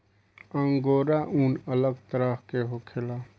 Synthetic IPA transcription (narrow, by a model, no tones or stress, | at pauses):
ə̃ŋɡoːɾaʔʊnələɡt̪əɾəɦkeɦoːkʰɪlaː